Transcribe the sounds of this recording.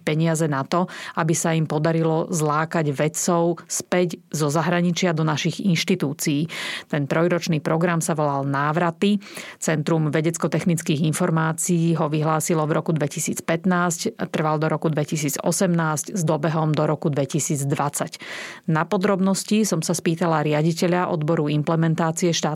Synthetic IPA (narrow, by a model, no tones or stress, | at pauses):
pɛɲɪazɛnat̪ɔabisaimpɔd̪aɾilɔzlaːkaɟʋɛt͡sɔʊspɛɟzɔzaɦɾaɲit͡ʃɪad̪ɔnaʃiɣinʃt̪it̪uːt͡siiːt̪ɛnt̪ɾɔjɾɔt͡ʃniːpɾɔɡɾamsaʋɔlalnaːʋɾat̪it͡sɛnt̪ɾumʋɛɟɛt͡skɔt̪ɛxnit͡skiːɣinfɔɾmaːt͡siːɦɔʋiɦlaːsilɔvɾɔkud̪ʋɛcisḭːt͡spɛt̪naːsct̪ːr̩ʋald̪ɔɾɔkud̪ʋɛcisiːd͡zɔ̰sɛmnaːsczd̪ɔbɛɦɔmd̪ɔɾɔkud̪ʋɛcisiːd͡zd̪ʋat͡sacnapɔd̪ɾɔbnɔscisɔmsaspiːt̪alaɾɪaɟicɛʎaʔɔ̰d̪bɔɾuimplɛmɛnt̪aːt͡siɛʃt̪aː